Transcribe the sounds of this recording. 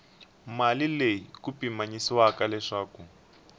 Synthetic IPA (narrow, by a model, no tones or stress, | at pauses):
malilejikupimaɲisiwakalɛʂaːku